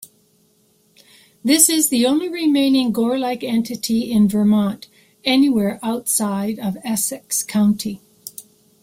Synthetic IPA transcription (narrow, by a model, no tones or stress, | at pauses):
ðɪsɪzðiõʊ̃nliɹɪmẽɪ̃nɪ̃ŋɡɔɹlaɪkɛ̃ntʰɨɾiɪ̃nvə˞mɑ̃nt | ɛniwɛɹʔaʊtsaɪɾʌvɛsɨkskʰãʊ̃ntʰi